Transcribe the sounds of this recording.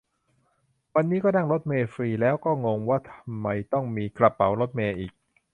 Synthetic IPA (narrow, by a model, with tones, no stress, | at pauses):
wa˧nːiː˦˥kɔː˥˩dna˥˩ŋɾo˦˥t̪̚meː˧fɾiː˧lɛː˦˥wkɔː˥˩ŋo˧ŋwaː˥˩t̪ʰa˧mːa˧jt̪ɔ˥˩ŋmiː˧kla˨˧˩pːa̰˩˦wɾo˦˥t̪̚meː˧ʔiː˨˩k̚